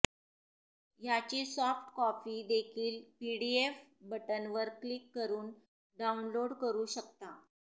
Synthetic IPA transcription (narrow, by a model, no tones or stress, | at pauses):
jat͡ɕiːsɔfʈkɔfiːd̪ekʰiːlpiɽiefbəʈənʋəɾklikːəɾuːn | ɖaunloɽkəɾuːɕək̚t̪a